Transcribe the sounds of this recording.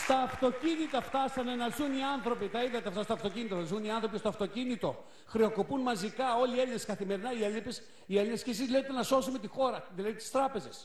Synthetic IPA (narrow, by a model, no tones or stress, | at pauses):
st̪ɐːft̪o̞cinit̪ɐft̪ɐst̪ɐnenɐlsuniɐnθɾo̞pit̪ɐiðɐt̪eɐft̪ɐst̪oɐft̪o̞cinit̪oɐsuniɐnθɾo̞pist̪oɐft̪o̞cinit̪o̞ | xɾio̞ko̞punmɐzikɐo̞lie̞lineskɐθime̞ɾinɐielipes | ielinescesizlçet̪enɐso̞sume̞t̪ixo̞ɾɐðilɐðit̪i̥st̪ɾɐpe̞ze̞s